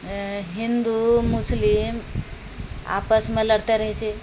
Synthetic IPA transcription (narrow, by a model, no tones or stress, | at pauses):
ɦind̪umuslim | a̰pəsmẽləɽt̪eɾəɦt͡ʃʰe